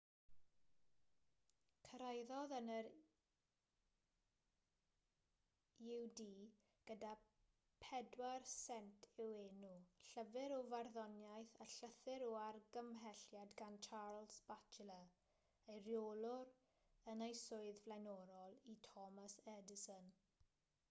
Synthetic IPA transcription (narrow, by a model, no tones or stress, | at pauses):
kʰəɾajðɔðənəɾ | ɪwdiː | ɡ̥əda | pʰɛdwarsɛntʰɪweːnuɬəvɪɾɔvarðɔnjajθaɬəθɪɾɔarɡəmɦɛɬjadɡant͡ʃʰarlˠsb̥at͡ʃʰələ | ejrjolˠʊɾ | ənejsʊɨðvlˠajnɔɾɔlˠitʰɔmasɛdɪsɔn